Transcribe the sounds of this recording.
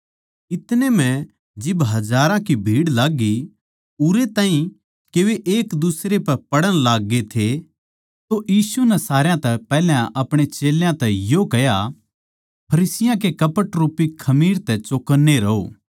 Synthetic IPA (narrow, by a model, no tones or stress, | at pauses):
ɪt̪nemɛ̃ | d͡ʒɪbɦɐd͡ʒaːɾãkibʱiːɽlaːɡi | ʊɾet̪aːĩ | keʋeʔeːkd̪usɾepɛpɐɽəñlaːɡːet̪ʰe | t̪ojiːsunɛsaːɾjãt̪ɛpɛːljãʔɐpɽ̃et͡ʃeːljãt̪ɛjokɐja | pʰɐɾiːsɪjãkekɐpəʈɾuːpikʰɐmiːɾt̪ɛt͡ʃoːkənːeɾɐɦo̰ː